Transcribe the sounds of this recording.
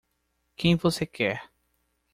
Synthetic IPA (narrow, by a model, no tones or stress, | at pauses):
kẽj̃vosekʰɛɾ